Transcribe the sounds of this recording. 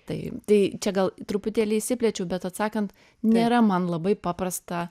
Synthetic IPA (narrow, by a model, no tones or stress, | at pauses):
t̪ɐɪt̪ɐɪt͡ʃʲɛɡɐlˠt̪ɾʊpʊt̪ʲeːlʲɪɪʃʲsʲɪpʲlʲɛt͡ʃʲɛʊbʲɛt̪ɐt̪sɑːkɐnt̪ | nʲeːɾɐmɐnlˠɐbɐɪpɑːpɾɐst̪ɐ